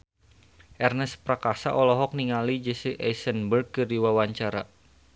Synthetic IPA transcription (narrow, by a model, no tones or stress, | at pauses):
ʔɛrnəspɾakasa̰ʔɔlɔɦɔk̚niŋalid͡ʒesiʔɛjsənbərɡ̚kɨriwawaɲt͡ʃaɾa